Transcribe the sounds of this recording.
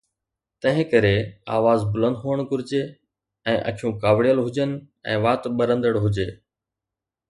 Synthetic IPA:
t̪ɐ̃ɦɪ̃kəɾea̰ːʋaːzbʊlə̃nd̪ɦuːəɽ̃kʊɾɪd͡ʑeː | ɛ̃ːʔə̰kʰijũːkaːʋɽijəlɦʊd͡ʑənɪ̆ | ɛ̰̃ːʋaːt̪ɓəɾə̃nd̪əɽɦʊd͡ʑeː

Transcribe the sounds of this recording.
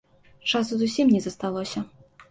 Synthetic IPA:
t͡ʂasuzusʲimnʲɛzɐst̪alˠɔsʲɐ

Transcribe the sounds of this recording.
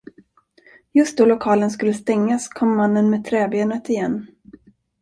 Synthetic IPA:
jɵst̪̚d̪ɔlʊkʰɑːlənskɵlːəst̪ɛŋːaskʰɔmːanːənmeːt̪ʰɾɛːbeːnət̪ɪjɛnː

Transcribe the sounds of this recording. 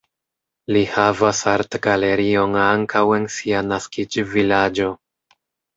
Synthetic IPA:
lihavasaɾtɡale̞ɾio̞naŋkawe̞nsianaskid͡ʒvilad͡ʒo̞

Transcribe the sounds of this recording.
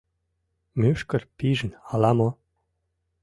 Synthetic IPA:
møʃkə̆rpiʒə̆nɑlɑmo

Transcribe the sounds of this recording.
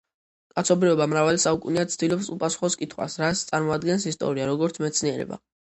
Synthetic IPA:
kʼat̪sʰɔbɾiɔbamɾavalisaukʼṵniad̪sʰd̪ilɔpsupʼasu̥χɔskʼit̪ʰχwa̰sɾast̪sʼaɾmɔad̪ɡɛnsist̪ʼɔ̰ɾiaɾɔɡɔɾt̪sʰmɛt̪sʰniɛɾɛ̰ba̰

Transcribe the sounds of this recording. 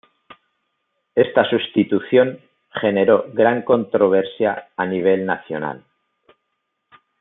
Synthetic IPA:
est̪asust̪it̪uθjo̞ŋ | χe̞ne̞ɾo̞ɣɾaŋko̞nt̪ɾo̞β̞e̞ɾsjaːniβ̞e̞lna̰θjo̞̰na̰l

